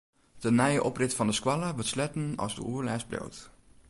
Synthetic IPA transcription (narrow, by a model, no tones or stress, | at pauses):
d̥ənɛjəʔɔprɪtfɑndəskwɑlaʋəslɛtən̩ɑ̰zdə̰uəɹlɛsblo̰wt